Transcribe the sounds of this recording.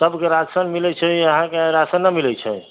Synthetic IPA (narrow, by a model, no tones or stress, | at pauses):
t̪əbkeɾad͡ʒsənmilɛt͡ʃʰɛəɦãkeaɾasənːəmilɛt͡ʃʰɛ